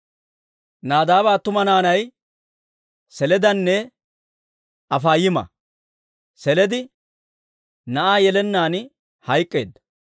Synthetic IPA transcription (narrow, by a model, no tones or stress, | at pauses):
naːd̪aːbaːt̪ːʊmɐnaːnɐj | sɛlɛd̪ɐnːɛ | ɐfaːjɪmɐ̰ | sɛlɛd̪ɪ | nɐʔaːjɛlɛnːaːn | hɐjkʼːḛːd̪ːɐ